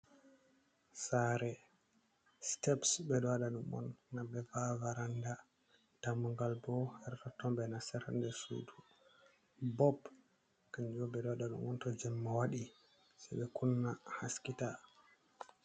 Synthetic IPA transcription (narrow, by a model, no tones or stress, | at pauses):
saɾɛ | stɛpsbɛdɔaɗaɗumɔ̰nːabɛvavaɾanda | tamuŋɡalbɔhaɾtɔtɔmbɛnasɛɾa̰ndɛsṵːdu | bɔb | kaɲd͡ʒɔbɛdɔaɗaɗṵmɔntɔd͡ʒɛmːawaɗi | sɛbɛkunːahaskita